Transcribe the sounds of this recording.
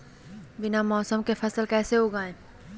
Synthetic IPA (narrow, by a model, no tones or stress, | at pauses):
bɪnamɔːsəmkefʰɐsəlkɛːseɦoːɡãːẽː